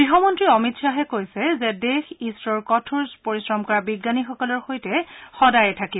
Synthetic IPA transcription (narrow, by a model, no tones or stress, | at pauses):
ɹiɦɔmɔntɹiɔmitsaɦɛkojsɛzɛdexisɹɔɹkɔtʰuɹspoɹisɹɔmkɔɹabiɡːanixɔkɔlɔɹxojtɛxɔdajɛtʰaki